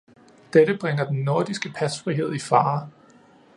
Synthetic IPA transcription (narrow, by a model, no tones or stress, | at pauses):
d̥eɾ̥əb̥ʁaŋɐd̥enːo̝ɐd̥isɡ̥əpʰæsfʁiɦe̝ð̞̰ˠifɑ̈ː